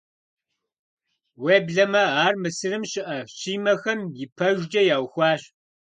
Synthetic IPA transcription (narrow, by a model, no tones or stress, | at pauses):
weːbɮɐmɐaːrmɨsɨɾɨmɕɪʔɐɕiːmɐxɐmjɪpʰɐʒʷd͡ʒɐjaːwxʷɑːɕ